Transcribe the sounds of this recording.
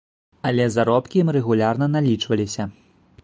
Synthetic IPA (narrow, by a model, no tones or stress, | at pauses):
ɐlʲɛzaɾɔpkʲimrɛɣulʲarnɐnalʲit͡ʂvɐlʲisʲɐ